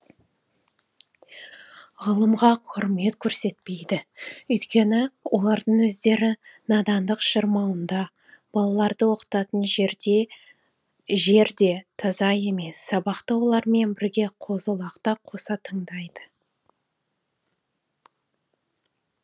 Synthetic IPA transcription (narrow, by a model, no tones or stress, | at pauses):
ʁəlˠəmʁɑqʰʊɾme̞t̪kʲʰɵɾse̞t̪̚pe̞jd̪ɪʏjt̪kʲe̞nɪwo̞lˠɑɾd̪əɴwɵzd̪e̞ɾɪnɑd̪ɑnd̪əqʃəɾmɑwənd̪ɑ | b̥ɑlˠɑlˠɑɾd̪əwo̞qə̥t̪ɑt̪ənʒ | ʒe̞ɾd̪e̞t̪ʰɑzɑje̞me̞sːɑbɑqt̪əwo̞lˠɑɾme̞nbɪɾɡʲe̞qʰo̞zəlˠɑqt̪ɑqʰo̞sɑt̪ʰəɴd̪ɑjd̪ə